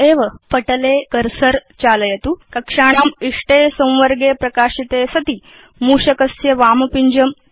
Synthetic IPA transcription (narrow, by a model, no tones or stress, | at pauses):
eːʋɐpɐʈɐleːkɐɾsɐɾt͡ɕaːlɐjɐt̪ukɐkʂaːɳ̃aːmiʂʈesɐ̃w̃ʋɐɾɡeːpɾɐkaːʂit̪eːsɐt̪i | muːʂɐkɐsjɐʋaːmɐpiɲd͡ʑɐm